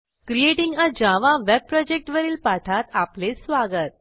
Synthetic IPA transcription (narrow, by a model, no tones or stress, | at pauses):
kɾieʈiŋɡəd͡ʑaʋaʋɛb̚pɾɔd͡ʑek̚ʈʋəɾiːlpaʈʰat̪aplesʋaɡət̪̚